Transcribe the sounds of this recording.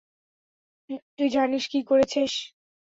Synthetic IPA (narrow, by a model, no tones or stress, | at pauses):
t̪ujd͡ʑʱaɾniʃkikoɾet͡ɕʰiʃ